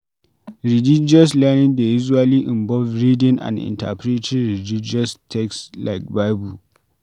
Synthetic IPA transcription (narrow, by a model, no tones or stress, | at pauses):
ɾilɪd͡ʒiɔs̬lanɪndejɪzwaːliːʔɪmbɔlvɾidɪnʔa̰nʔɪ̰nta̰pɾitʰɪnɾilid͡ʒɪɔstʰɛkslajk̚bajbu